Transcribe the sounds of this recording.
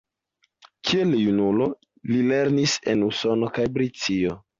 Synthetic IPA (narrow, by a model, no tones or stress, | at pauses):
kʰieljunulo̞ | lile̞ɾnise̞nuso̞no̞kajbɾit͡sio̞